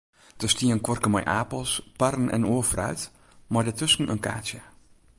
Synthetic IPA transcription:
d̥əstiənkʋɔrkəmɔ̰jʔaːpəlˠsparənɛ̰noːəfrœ̰ɥt | maɹdətɵsn̩ə̰nka̰ːtjə

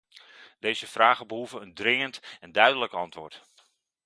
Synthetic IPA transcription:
d̥eːzəfraːɣəbəɦuvəəndrɪŋəntɛndœɥdələkɑntʋoːrt

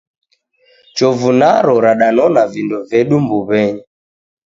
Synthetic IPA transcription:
t͡ʃɔvunaɾɔɾaɗanɔnavindɔvɛɗumbuβɛɲɛ

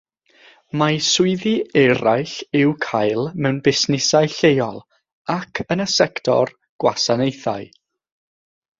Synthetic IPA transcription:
masʊɨðiɛɾajɬɪwkʰajlˠmɛwnbɪsnɪsajɬejɔlˠ | akʰənəsɛktʰɔ̰r | ɡ̥wa̰sanejθa̰ɨ

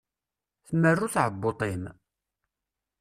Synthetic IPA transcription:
θmːərːʊθʕəbːot̪ˤɪm

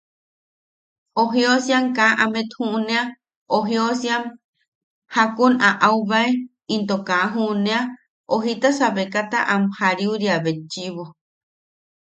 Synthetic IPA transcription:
oɦiosjaŋkaʔamet̪huʔnẽa | oɦiosjam | hakunaʔauβae | int̪okaɦuʔnẽa | oɦit̪asaβekat̪a̰ʔamhaɾiuɾiaβet͡ʃiβo

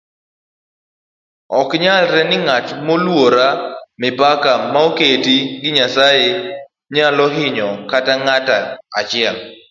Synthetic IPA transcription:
ɔkɲalɾɛnɪŋatmolwoɾamɪbakamaoketiɡɪɲasaje | ɲalɔɦɪɲɔkataŋataat͡ʃɪɛl

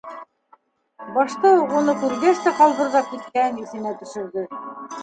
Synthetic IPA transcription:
bɑʃt̪ɤunɤkʉlɡæst̪æqɑlˠβɤ̆ɾðɑp̚kit̪̚kæniθɘ̆næt̪ɵ̆ʃɘ̆ɾd̪ɵ

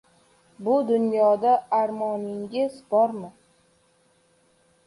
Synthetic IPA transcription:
bʊd̪ʊnjɒd̪aaɾmɒnɪŋɡʲɪzbɒɾmɪ

